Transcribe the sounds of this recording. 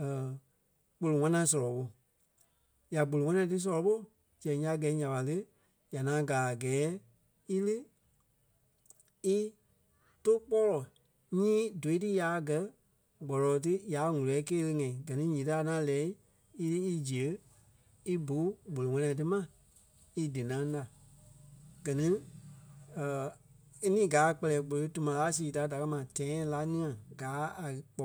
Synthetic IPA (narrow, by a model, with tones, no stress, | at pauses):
ə˨ | k͡po˧lo˨ŋ̃ã˦nã˧˦s̬ɔ˧lɔ˨ɓo˧ | ja˨ɡ͡bo˨lo˨ŋã˦nã˧˨˧t̬ɨ˦s̬ɔ˧lɔ˨˧ɓo˦˨ | d͡ʒɛ̃˨ja˨˦˨ɡɛː˨˦ɲã˨ɓa˨lɨ˦ | ja˨ŋã˨˦ɡaː˨ɡɛː˨˦ | i˦lɨ˦ | i˦ | to˦k͡pɔ˦lɔ˨ | ɲĩː˦do˨i˦tɨ˦ja˨˦˧ɡɜ˨˦ | ɡ͡bɔ˨lɔː˨t̬ɨ˦jaː˨˦ŋũ˨lɛ˨˦keː˦lə˧ŋã˨ĩ˨ɡɜ˨nĩ˦ɲĩː˨ta˦˧˨nã˦lɛː˨˦i˦ | i˦tɨ˦i˧d͡ʒi˨ə˨˦ | i˦bu˨˦ɡ͡bo˨lo˨ŋɛ̃˧nɛ̃˧˨˧t̬ɨ˦mã˦˨ | i˧dɨ˨nã˨˧˦da˨ | ɡ̥ɜ˨nĩ˦˨ | i˦nĩː˦ɡaː˨˦˨k͡pɛ˧lɛː˨ɡ͡bo˨lo˨˦tu˧mã˨˧laː˨˦siː˨da˨˦da˨kɜ˧˦mã˨tɛ̃˨˦˧la˧˦nĩ˦ã˨ɡaː˨˦a˨k͡pɔ˨